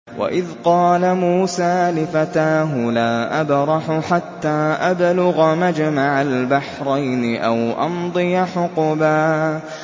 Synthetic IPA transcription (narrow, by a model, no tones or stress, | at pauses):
wa̰ʔɪðqɑːlamuːsaːlɪfat̪aːɦʊlaːʔabɾˤɑħʊħat̪ːaːʔablʊɣamad͡ʒmaʕalbaħɾˤɑjnɪʔa̰wʔɑ̰nd̪ˤɨjaħʊqbaː